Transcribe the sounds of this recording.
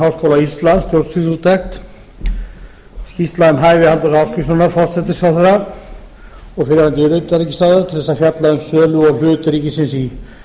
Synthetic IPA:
awskowlaist̪lanst̪jowɾt̪sfiθut̪ːɛxt̪ | scist̪laðɛmɦaːjvɪhalt̪aɾsawskɾisʏnaɾfɔst̪sɛt̪ɪsawθɛɾa | ɔɣfɪɾɪant̪ɪʏɾœɥp̪aɾicɪ̥st̪aðat̪ʰɪlθɛsafjat̪laʏmsœːlʏɔɣl̥ʏːt̪ʏɾiːcɪsɪnsi

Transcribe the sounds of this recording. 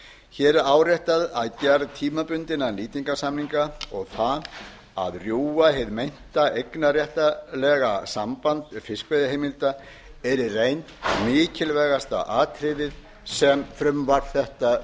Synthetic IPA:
çɛːɾaːwrjɛht̪aðaðcɛɾðt̪ʰiːmapʏnt̪ɪnaliːt̪iŋkasamniŋkaɔɣθa | a̰ðrjuːaɦɛðmejn̥t̪aʔejknarjɛht̪alɛɣasampant̪fɪskvejðɪɦejmɪlt̪a | ɛɾɪrejnt̪mɪːcʰɪlvɛːɣast̪a̰ʔaːt̪ʰɾɪðɪð | sɛmfɾʏmvaɾθɛht̪a

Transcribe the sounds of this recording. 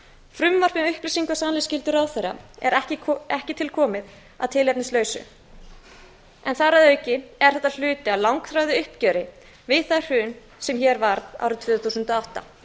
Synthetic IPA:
fɾʏmvar̥pɛʏhplisiŋkasaːnlɪscɪlt̪ʏɾawθera̰ɛ̰ɾɛcɪɛhcɪt̪ʰɪlkʰɔːmɪð | a̰ðt̪ʰɪlɛpnɪst̪lœːɥsʏ̰ | ɛnθaɾaðœɥcɪɛɾ̥θɛht̪al̥ʏːt̪ɪawlawŋkθɾaɥðɪʏhpcœːɾɪ | vɪðθajr̥ʏn | sɛmçɛɾvaɾða̰wɾʏt̪ʰv̥ʏːθusʏnt̪ɔawht̪a̰

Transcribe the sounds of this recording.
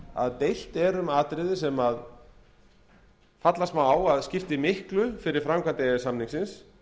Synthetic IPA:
a̰ðt̪ejl̥t̪ɛɾʏmaːt̪ɾɪðɪsɛmað | fat̪lasmawaːwaðscɪft̪ɪmɪhklʏfɪɾɪɾ̥fɾamkʰant̪ɪɛɪsamniŋsɪns

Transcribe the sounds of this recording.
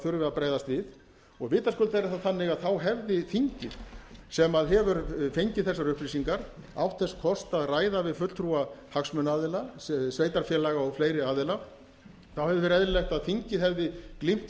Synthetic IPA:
θʏɾvɪapɾaːjðast̪vɪð | ɔɣvɪːt̪askʏlt̪aɛɾɪθaθanːɪɣaðθawɦɛvðɪθiɲcɪðsɛmaðɦɛvʏɾfejɲcɪθɛsːaɾʏhplisiŋkaɾ̥a̰wt̪θɛskʰɔst̪aðraːjðavɪðfʏt̪t̪ʰɾuahaksmʏnaːðɪlasveːjt̪aɾfjɛlaɣaɔɣfleːjɾɪaːðɪla | θawhɛvðɪɪɾɛðɾɪlɛxt̪aðθiɲcɪðɦɛvðɪklim̥t̪

